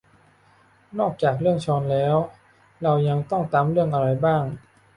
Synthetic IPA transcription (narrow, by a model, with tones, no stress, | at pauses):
nɔː˥˩k̚t͡ɕaː˨˩k̬̚ɾɯ˥˩əŋt͡ɕʰɔː˧nlɛː˦˥w | ɾa˧wja˧ŋt̪ɔ˥˩ŋt̪aː˧mɾɯ˥˩əŋʔa˧ɾa˧jbaː˥˩ŋ